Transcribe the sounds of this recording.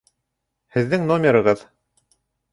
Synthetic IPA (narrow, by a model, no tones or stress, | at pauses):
hɘ̆ðːɘŋnomʲeɾɤ̆ʁɤð